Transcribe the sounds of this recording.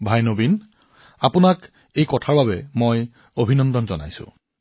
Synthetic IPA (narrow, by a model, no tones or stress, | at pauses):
bʱajnobin | apʊnak | ejkɔtʰaɹbabɛmoj | obʱinɔndɔnzɔna̰jsʊ̰̃